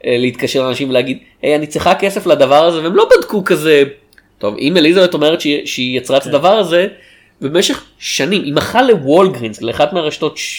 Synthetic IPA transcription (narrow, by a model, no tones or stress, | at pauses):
eleit̪kaʃeʁlnaʃimveleːɡid̪ | ejanit͡sliχakeseflad̪ɐvaʁazeveemlo̞badkukaze̞ | to̞vʔḭmelizabeto̞meʁetʃeʃeijat͡sʁaet̪ad̪ɐvaʁaze | beemeʃe̞χ | ʃanimʔimaχale̞wo̞lɡʁinsleaχad̪meaʁaʃt̪o̞t̪